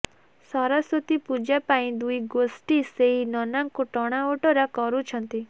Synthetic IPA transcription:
sɔɾaswɔt̪ipud͡ʒapaĩd̪ujɡosʈiseɦinɔnaŋkoʈɔɽ̃aoʈɔɾakɔɾut͡ʃʰɔnt̪i

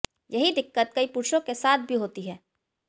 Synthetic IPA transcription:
jɐɦid̪ɪkːət̪̚kɐipuɾʃõkesaːt̪̚ʰbʱiɦoːt̪iɦɛː

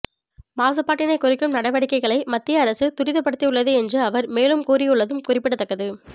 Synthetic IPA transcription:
maːsɐpːaːʈːɪnɐɪkʊrɪkːɯmnɐɽɐʋɐɽɪkːɐɪɣɐɭɐɪmɐt̪ːɪjɐːɾɐsɯt̪ʊɾɪðɐpːɐɽɯt̪ːiʊɭːɐðɯɛndrɯɐʋɐɾmeːlɯmkuːɾɪjɯɭːɐðɯmkʊrɪpːɪɽɐt̪ːɐkːɐðɯ

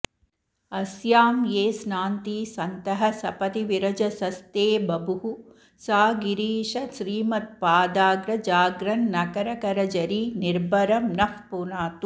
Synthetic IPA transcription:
ɐsjaːmjeːsnaːnt̪iːsɐnt̪ɐɦɐsɐpɐt̪iʋiɾɐd͡ʒɐsɐst̪eːbɐbʱuɦu | saːɡiɾiːʂɐʃɾiːmɐt̪̚paːd̪aːɡɾɐd͡ʒaːɡɾɐnːɐkɐɾɐkɐɾɐd͡ʒɐɾiniɾbʱɐɾɐmnɐfpunaːt̪u

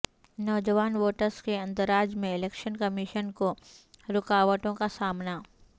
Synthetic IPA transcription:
nɔːd͡ʒəʋaːnʋoːʈəɾskeɐ̃nt̪əɾaːd͡ʒmẽɪleːkʃənkɐmɪʃənkoɾʊkaːʋəʈõkasaːmna

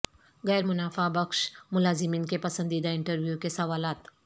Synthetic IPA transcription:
ɣɛːɾmʊnaːfabɐkʃmʊlaːzɪmiːnkepɐsə̃nd̪id̪aɪ̃ɳʈəɾʋjukesɐʋaːlaːt̪

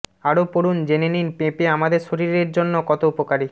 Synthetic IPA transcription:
aɾopoɾund͡ʑeneninpepeamad̪eɾʃoɾiɾeɾd͡ʑonːokɔt̪oupokaɾi

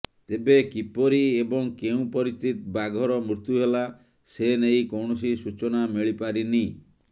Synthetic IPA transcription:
t̪ebekipɔɾiebɔŋkeũpɔɾist̪ʰit̪baɡʱɔɾɔmɾut̪juɦela | senejkɔwɳ̃ɔsisut͡ʃɔnamiɭipaɾini

